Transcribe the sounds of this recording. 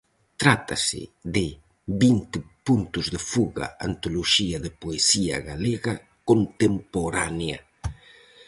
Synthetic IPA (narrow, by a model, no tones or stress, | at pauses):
t̪ɾat̪asɪ̰ðɪ | βint̪ɪpunt̪ʊzðɪfuɣɐ̰ant̪oloʃiɐðɪpoesiɐ̰ɣaleɣɐ | kont̪empoɾanjɐ